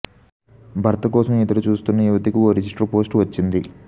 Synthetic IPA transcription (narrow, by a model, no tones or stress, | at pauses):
bʱɐɾt̪ɐkɔːsɐmid̪ɐɾut͡ʃuːst̪unːɐuʋɐt̪ikioːɾid͡ʒisʈɐɾpo̞ːsʈʋɐt͡ʃːind̪i